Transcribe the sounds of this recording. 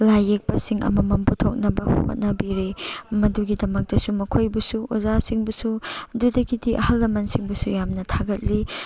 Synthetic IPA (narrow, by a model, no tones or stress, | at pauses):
lajek̚pɐsiŋɐ̰mɐmɐmputʰok̚nɐbɐhho̰t̚nɐbiɾemɐduɡidɐmɐk̚dɐsumɐkʰojbɐsuozasiŋbɐsududɐɡidiʔɐhɐlːɐmɐnsiŋbɐsujamnɐtʰaɡɐt̚li